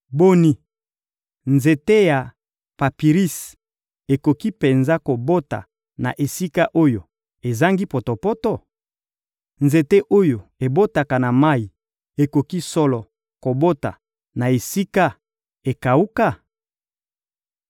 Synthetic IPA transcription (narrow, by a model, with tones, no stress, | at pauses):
bo˦ni˨ | nze˨te˦ja˨ | pa˨pi˨ʁi˦s | e˨ko˨ki˦pe˨nza˦ko˨bo˦ta̰˨ | na̰˨ʔe˨si˦ka˦ʔo˦jo˨ | e˨za˦ŋɡi˦po˨to˨po˦tɔ˦˨ | nze˨te˦ʔo˦jo˨e˨bo˦ta˨ka˨na˨ma˦i˨ | e˨ko˨ki˦sɔ˦lɔ˨ | ko˨bo˦ta̰˨ | na˨e˨si˦ka˦ | e˨ka˨u˦ka˦˨